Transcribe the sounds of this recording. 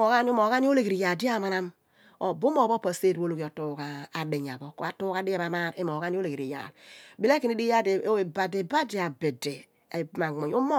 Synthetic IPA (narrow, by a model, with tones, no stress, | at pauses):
o˨ɣa˦n˦o˦mo˨ɣa˦ni˦o˦le˦˨ɡe˨ɾi˨ja˨di˦a˦˨ma˦na˦m | o˨bu˦mo˦˨bo˦pa˨se˦˨dwo˦lo˨ko˨tu˦ka˨a˨de˨ɲ˨a̰˨bo˦ko˨˦a˦tuː˦ka˦di˦a˦˨ma˨ma˦˨ɾe˦mo˨ɡa˦n˦o˦le˨ke˨ɾi˨ja̰˨lbi˦le˦ki˨ni˦di˦a˦de˨o˦e˨ba˨de˨ba˦di˨a˨be˨de˨ | e˨ma˨ŋo˨ɲ˦o˦mo˦